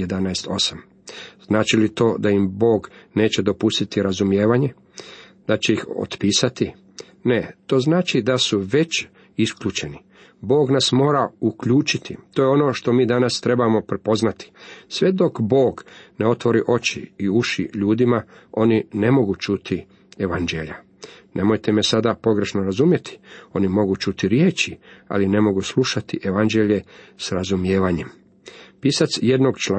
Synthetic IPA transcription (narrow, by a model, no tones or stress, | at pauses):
jed̪anajst̪o̞̰sam | z̥naːt͡ʃilit̪o̞ːd̪ajimbo̞ːɡne̞ːt͡ɕe̞d̪o̞pust̪it̪iɾazumjeːʋaɲe̞ | d̪at͡ɕe̞ixo̰t̪piːsat̪i | ne̞t̪o̞ːznaːt͡ʃid̪asuʋe̞t͡ɕ | iskʎuːt͡ʃeni | bo̞ːɡnasmo̞ːɾaukʎuːt͡ʃit̪ʰḭt̪oːjeo̞no̞ʃt̪o̞miːd̪anast̪ɾe̞bamo̞pɾepo̞znat̪i̥sʋe̞d̪o̞kbo̞ːɡne̞o̞t̪ʋo̞ɾiʔo̞t͡ɕḭːuʃḭʎuːd̪imao̞nine̞mo̞ɡut͡ʃut̪ʰi | eʋand͡ʒeʎa̰ | nʔe̞mo̞jt̪e̞me̞sad̪apo̞ɡɾe̞ʃno̞ɾazumje̞t̪ʰi̥o̞nimo̞ɡut͡ʃut̪iɾjeːt͡ʃia̰line̞mo̞ɡusluʃat̪iʔeʋand͡ʒe̞ʎe̞sɾazumje̞ːʋaɲe̞m | piːsat̪sje̞d̪noɡt͡ʃa